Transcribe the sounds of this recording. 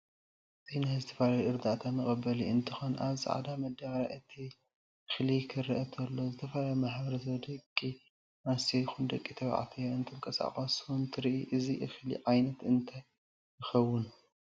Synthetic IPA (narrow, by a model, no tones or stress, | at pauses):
ɨzinazɨt̪ʰɐ̥falajoʔɨɾd̪at̪ʰamɨkʼɐbːɐliɨnt̪ʰɨ̥xonʔa̰βzɨ̰ʕa̰d̪amɐd̪aβɐɾaʔɨt̪ʰi | ɨxlikʰɨɾʔɐt̪ʰɐlːo̞zɨt̪ʰɐfalajomaħbɐɾɐsɐβd̪ɐkʼːi | masɐjɪxund̪ɐkʼːit̪ʰɐβa̰ʕt̪ʰɐjoɨnt̪ʰɨmkʼɐsa̰χʼɐsuɨnt̪ʰɨɾiʔiʔɨziʔɨxlḭʕajnɐt̪ɨnt̪ʰaj | jɪxɐwːʊn